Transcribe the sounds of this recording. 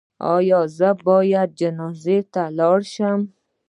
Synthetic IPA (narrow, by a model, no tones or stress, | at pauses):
ɒ̰jɔzabɔːjad̪̚d͡ʒɪnɔzet̪ʰalɔɾʃam